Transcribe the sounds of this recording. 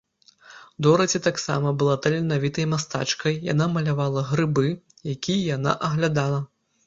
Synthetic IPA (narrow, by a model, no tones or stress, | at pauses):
d̪ɔɾɐt͡sʲɛt̪aksa̰mɐbɨlˠat̪ɐlʲɛnavʲit̪ɐjmast̪a̰t͡ʂkɐjja̰namɐlʲavalˠɐɣɾɨbɨ | jakʲʰijjana̰ʔɐɣlʲad̪alˠɐ